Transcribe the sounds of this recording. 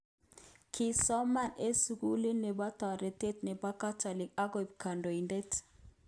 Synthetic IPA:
kʰi˨sɔ˦ma˦˨ne˦su˨ku˦li˦nːe˨ba˦tɔ˨ɾi˨te˦tne˨ba˦ka˦tɔ˨li˨ka˦ɡo˨i˨b̚ka˨ndo˨i˨nde˦t

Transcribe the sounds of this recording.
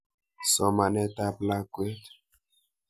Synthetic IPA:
sɔ˨ma˨nɛ˦ta˦pla˦kwe˦t

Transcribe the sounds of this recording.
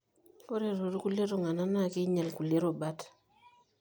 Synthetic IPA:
o˦ɾe˨ɾo˨ɾku˦le˦ɾo˨ŋa˨na˦na˦˨ki˦ɲa˨lku˨le˦ɾo˨ba˦t

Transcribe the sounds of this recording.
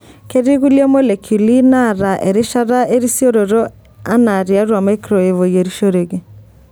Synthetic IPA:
ke˦ɾi˦ɣu˦li˦ɔ˦mo˦le˨kʰu˨li˦na˦˨ɾa˨ʔe˨ɾe˦ʃa˦ɾa˦ʔe˦ɾi˦sjo˦ɾo˨ɾɔ˦ | a˦na˨ɾi˨a˦ɾwa˨ma˦jkɾɔ˨e˨vo˨je˨ɾi˦ʃo˦ɾe˨ɣe˨

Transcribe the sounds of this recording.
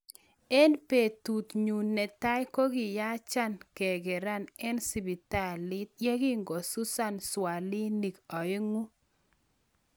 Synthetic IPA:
ɛ˦npe˨tu˨t̪ɲu˨nːɛ˨ta˦jko˦ɡɪ˨ja˦t͡ʃa˦nkɛ˨ɡɛ˨ɾa˦nɛ˦nsi˨bi˨ta˦˨lɪ˦t̪̚je˦ɡi˦ŋɡo˨su˦sa˦nswa˨lɪ˦ni˨kɔ˨e˦ŋu˦

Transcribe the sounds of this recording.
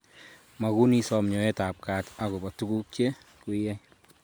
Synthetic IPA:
ma˨ku˦ni˧sɔ˨mɲɔ˨ɛ˦ta˨p̚ka˨ta˨ku˨ba˨tu˦ku˦k̚t͡ʃe˦ | ku˦jɛ˦j

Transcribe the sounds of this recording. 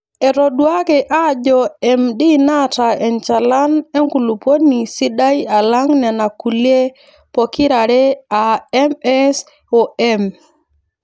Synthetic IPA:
ɛ˨ɾɔ˨dwa˦kɛ˨ʔa˦d͡ʒɔ˨ɛ˨mdi˦na˦ta˨ɛ˨nt͡ʃa˨la˦ne˦ŋku˨lu˨pwo˦ni˨si˦da˦i˦a˨la˦ŋnɛ˨na˨ku˨lje˦ | pɔ˨ki˦ɾa˨ɾɛ˦a˨ɛmɛ˦s | ɔ˨ɛ˦m

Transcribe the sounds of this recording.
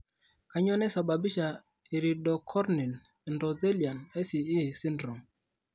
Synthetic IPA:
ka˨ɲɔ˦nɛ˦sa˨ba˨bi˦ʃa˨ | i˨ɾi˨dɔ˨kʰɔ˦ɾni˨n˨ | ndɔ˨dɛ˦li˨a˨nɛ˦si˨i˦˨si˦ndɾɔ˨ŋ

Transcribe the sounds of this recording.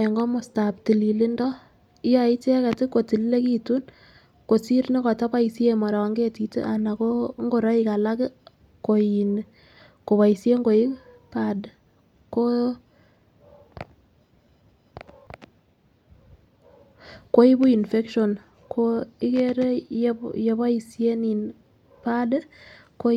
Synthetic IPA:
ɛ˨ŋɡɔ˦mʊ˨sta˨p̚ti˨li˨lɪ˦ndɔ˦ | ɪ˦ja˨ɪ˦t͡ʃe˦ka˨tɪ˦ko˨ti˨lle˦ki˦tu˦n | ko˨si˦ɾni˦kɔ˨tɔ˦pa˦i˨sje˨ma˨ɾa˨wa˨ŋɡe˦ti˨tḛ˦ʔa˨na˨ko˦ŋɡo˦˨ɾa˦ɪ˦ka˨la˦kɪ˦ | ko˨i˨n | ko˨wa˨i˨sje˦ŋɡo˨i˦pa˨d | ko˦ | ko˦i˦bu˦i˨nfe˦kʃo˨n | kʰoi˦ke˦ɾe˦je˨βa˦i˨sje˦ni˨n | pa˦d | ko˦

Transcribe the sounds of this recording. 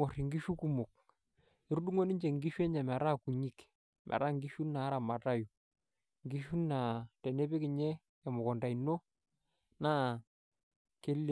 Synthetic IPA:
o˨rɪ˨ŋɡi˦ʃu˦ku˦mo˨k̚ | e˦ɾu˦ɗu˦ŋo˦ni˦ɲd͡ʒe˨ŋɡi˦ʃu˦ɛ˦ɲɛ˨mɛ˨ɾa˦ku˨ɲi˦k | mʔɛ̰˨ɾa˦ŋɡi˦ʃu˦na˨˦ɾa˨ma˨ta˦ju˨ | ŋɡi˦ʃu˦na˨tɛ˨ne˦pe˦kɪ˨ɲɛ˦ | ɛ˨mʊ˨kɔ˨nda˨i˨no˦ | na˦ | ke˦le˨

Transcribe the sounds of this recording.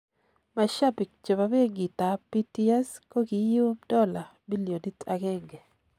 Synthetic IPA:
ma˨ʃa˦pi˨k̚t͡ʃe˨βa˨be˦ɡi˨t̪a˨pi˦ti˦a˦sko˦ki˨ju˦dɔ˦la˨bi˦li˨o˨di˦ta˨ɡɛ˦ɡɛ˨

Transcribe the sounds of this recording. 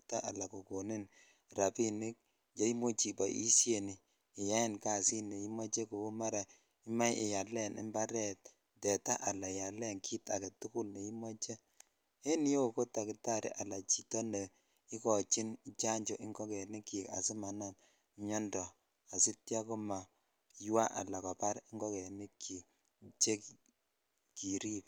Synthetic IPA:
ta˦ʔa̰˨la˨ko˨ko˨ni˦n | ɾa˨pi˦ni˦k̚ | je˦i˦mo˦t͡ʃi˨ba̰˨ʔḭ˦sje˨niː˨ | ja˦ɪ˦nka˨si˦ne˨i˦mɔ˦t͡ʃe˦ko˨u˦ma˦ɾa˨ | ɪ˦ma˦jɪ˨ja˨lɛ˦˨nɪ̰˦mba˦ɾɛ˨t̚ | dɛ˨ta˦ʔa˨la˨ja˨lɛ˦ŋkʰi˦ta˨ke˨tu˦ku˦lne˨i˦mɔ˦t͡ʃe˦ | e˦ni˦jo˦ko˦ta˨ki˨ta˦ɾḭ˨ʔa˨la˨t͡ʃi˨tɔ˦ne˨ | i˦kɔ˨t͡ʃi˦nt͡ʃa˦ɲd͡ʒɔ˨ʔi˦ŋɡɔ˦ke˨ni˦kːi˨ka̰˨si˦ma˨na˨n | ɲɔ˦ndɔ˨ | a˨si˦tja˦ku˦ma˨ | jwa˦ʔa̰˨la˨kɔ˨pa˦ɾɪ˦ŋɡɔ˦kɛ˨ni˦kʰːi˨k | t͡ʃe˦k | ki˨ɾi˦p

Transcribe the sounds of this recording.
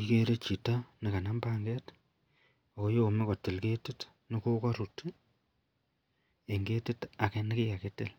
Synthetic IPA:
i˦ke˦ɾe˦t͡ʃi˨ta˦nɪ˨ka˨na˦mba˦ŋɡɛ˦t | o˨ko˦jo˦o˨me˦kɔ˨tɪ˨lke˦tɪ˦t | nɪ˦ko˦kɔ˦ɾu˨t | e˨ŋɡe˦tɪ˦ta˨kɛ˦nɪ˦kɪ˦ja˨ke˦tɪ˦˨l

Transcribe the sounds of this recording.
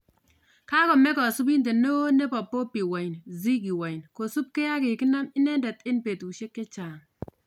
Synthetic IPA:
ka˦kɔ˨me˦kɔ˨su˦b̬i˦nde˨no˦ne˦pa˨pːo˦pi˨wa˨ji˨nzi˦ɡi˨wa˨i˨nko˨su˦b̚ke˦ja˦ke˨ki˦na˦mi˦ne˦nda˨te˦npe˨tu˨ʃe˦kːe˦t͡ʃa˨ŋ

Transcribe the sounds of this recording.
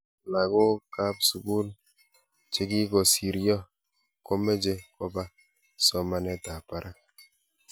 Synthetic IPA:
la˨ɡo˦ka˦psu˨ku˦l | t͡ʃe˦ɡi˦kɔ˨si˨ɾjɔ˦ | ko˦me˦d͡ʒe˦kɔ˦ba˦ | sɔ˨˦ma˦nɛ˦ta˨pa˨ɾʔa˦

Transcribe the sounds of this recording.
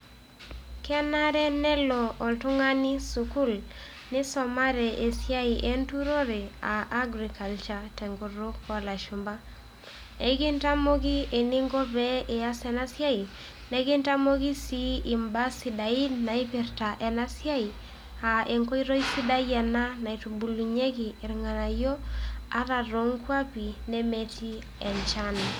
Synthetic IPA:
kɛ˦na˦ɾɛ˦nɛ˦lɔː˨ltu˦ŋa˦ni˦su˨ku˦l | nɪ˦sɔ˨ma˦ɾɛ˨ʔe˨sja˦i˨ʔe˦ntu˦ɾo˦ɾɛ˨a˨ʔːɡɾika˨lt͡ʃatɛ˨ŋɡu˨ɾu˦kɔ˨la˨ʃu˨mba˦ | e˨ɡi˦nta˦mo˦ɡi˦e˨ni˦ŋɡɔ˦bɛe˨a˦sɛ˨na˦sja˦i˨ | nɛ˦ɡɪ˦nta˦mo˦ɡi˦si˦i˨mba˦si˦da˨i˦dna˨i˦pi˨ɾta˨ʔɛ˨na˦sja˦i˨ | a˨ʔe˨ŋko˦i˦ɾo˦i˦si˦da˦jɛ˨na˦na˨i˨tubu˨lu˨ɲe˦ki˨ɪ˨ɾŋa˨na˨jo˦a˦ɾa˨ɾo˦ŋkwa˦pi˨ne˦me˦ti˦ | ɛ˨nt͡ʃa˦n˨

